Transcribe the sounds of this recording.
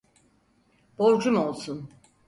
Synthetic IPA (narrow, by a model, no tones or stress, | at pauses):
b̥oɾd͡ʒumolˠsun